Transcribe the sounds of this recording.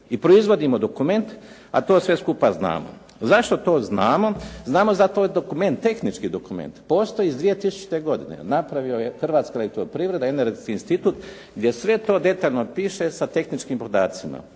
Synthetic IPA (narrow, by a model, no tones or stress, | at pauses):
ipɾoizʋo̞d̪imod̪o̞kume̞nt̪ | a̰t̪o̞ːsʋe̞skupazna̰ːmo̰ | zaʃt̪ot̪o̞ːznaːmo̞znaːmozat̪oːjd̪o̞kume̞nt̪ːe̞xnit͡ʃkid̪o̞kumḛnt̪poːst̪o̞jiːzd̪ʋije̞t̪isu̥t͡ʃi̥t̪e̞ɡo̞d̪ḭnḛnapɾaʋiojexr̩ʋaːt̪skalekt̪oɾpɾiːʋɾe̞d̪aeneɾɡeskiːinst̪it̪uːt̪ | ɡd̪je̞sʋe̞t̪oːd̪e̞t̪aːʎnopiːʃe̞sat̪e̞xnit͡ʃkiːmpo̞d̪aːt̪sima̰